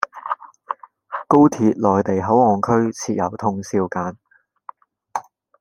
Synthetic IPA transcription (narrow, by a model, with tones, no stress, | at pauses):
ko˥wt̪ʰiː˧t̚lɔː˨˩jt̪e˨˩jɦɐ˨˥wɔː˨ŋkʰɵ˥ɥt͡sʰiː˧t̚jɐ˨˩wt̪ʰʊ˧ŋsiː˧wkaː˨˥n